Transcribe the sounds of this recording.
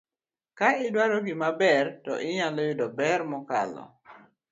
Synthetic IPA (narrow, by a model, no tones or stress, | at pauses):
kaɪdwaɾoɡɪmabɛrtɔ̰ʔɪɲalojʊdɔbɛrmɔka̰lɔ̰